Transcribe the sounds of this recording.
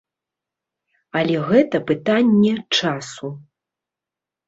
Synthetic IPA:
ɐlʲɛɣɛt̪ɐpɨt̪anʲːɛt͡ʂasu

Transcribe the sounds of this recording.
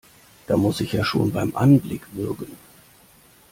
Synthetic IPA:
d̥aːmʊsɪçjaːʃo̰ːnbaɪmʔa̰nblɪkv̥ʏɐɡən̩

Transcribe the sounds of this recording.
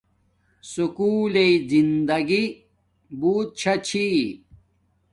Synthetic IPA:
sukuːleizind̪ɐɡi | buːt̪̚t͡ɕʰɐt͡ɕʰi

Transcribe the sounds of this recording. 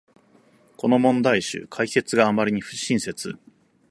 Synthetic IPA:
ko̞no̞mõ̞nd̪aiɕɨ̰kʰaike̞t͡sɨɡaːmaɾʲiɲ̟iɸɯ̟ɕːĩɰ̃se̞t͡sɨ

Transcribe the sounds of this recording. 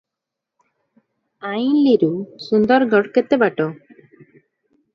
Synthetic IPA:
ajnliɾusund̪ɔɾɡɔɽkɛt̪ɛbaʈɔ

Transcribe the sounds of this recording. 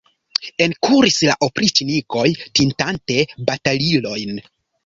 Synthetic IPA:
e̞nkʰuɾisla̰ʔopɾit͡ʃiniko̞jtintante̞batalilo̞jn

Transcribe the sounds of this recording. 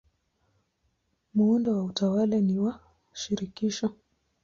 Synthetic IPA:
muundɔwautawalaniwa | ʃiɾikiʃɔ

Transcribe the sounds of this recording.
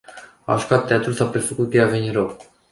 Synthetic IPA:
a̰ʒukat̪ːeat̪ulsapɾefəkut̪̚kəjeaveniɾok

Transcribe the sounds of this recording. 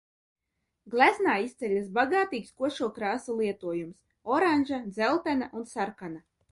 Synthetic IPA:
ɡlʲˠæznaːist̪sʲɛlʲasbaɡaːt̪iːkskuɔʃuɔkɾaːsulˠiɛt̪uɔjums | ɔɾanʲʒad̪zɛlˠt̪ɛnaʔunsaɾkana

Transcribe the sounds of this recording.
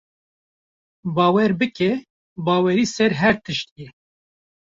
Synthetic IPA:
bɑːwɛɾbɨkʰɛ | bɑːwɛɾiːsɛɾɦɛɾt̪ʰɨʃt̪je

